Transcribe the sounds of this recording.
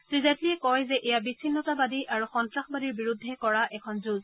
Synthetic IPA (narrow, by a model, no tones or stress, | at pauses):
sɹizatliɛkɔjzɛʔɛjabisʰinːɔtabadiʔʔaɹuxɔntɹaxbadiɹbiɹudʱːɛkɔɹaʔɛkʰɔnzuz